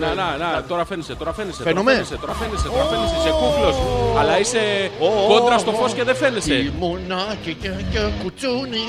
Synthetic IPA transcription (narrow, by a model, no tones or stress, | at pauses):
nenɐnɐt̪o̞ɾɐfeneset̪o̞ɾɐfenesefenomeeset̪oɾɐfeneset̪oɾɐfenesesekuflo̞sɐlɐiseoko̞nd̪ɾɐst̪o̞fo̞sce̞ðefe̞nesemunɐcicɐcekut͡suni